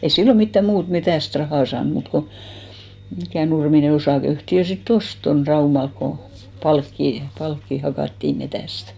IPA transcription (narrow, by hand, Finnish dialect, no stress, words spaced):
ei silːo mitːæ muːt metæˑst rɑhɑˑ sɑːn muːt ko mikæˑ nurmine osɑˑkeyhtiø sitː ost ton rɑumɑlk ko pɑlkːiˑ pɑlkːiˑ hɑ hɑkɑˑtːiˑ metæˑstæ̥